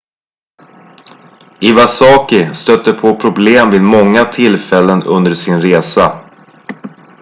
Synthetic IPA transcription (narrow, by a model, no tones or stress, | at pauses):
ɪvasɑːkɪst̪œt̪ːəpʰopʰɾʊbleːmvɪːd̪mɔŋːat̪ʰɪlfɛlːənɵnd̪əʂɪnɾeːsa